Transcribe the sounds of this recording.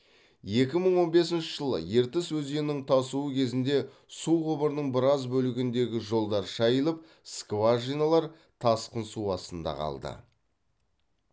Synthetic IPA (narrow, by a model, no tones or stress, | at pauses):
je̞kʲɪməɴwo̞nbe̞s̬ɪnʃɪ̥ʒəlˠə̰je̞ɾt̪ɪswɵzd̪e̞nɪŋt̪ʰɑsuəkʲʰe̞zɪnd̪e̞ | suqʊbəɾnəɴbɪɾɑzbɵlɪɡʲɪnd̪e̞ɡʲɪʒo̞lˠd̪ɑɾʃɑjəlˠəp̚ | skvaʒijnalˠɑɾ | t̪ʰɑsqənsuɑst̪ənd̪ɑ̰qʰɑ̰lˠd̪ə̰